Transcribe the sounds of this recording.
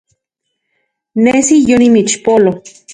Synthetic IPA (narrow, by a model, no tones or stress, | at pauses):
nesijonimit͡ʃpolo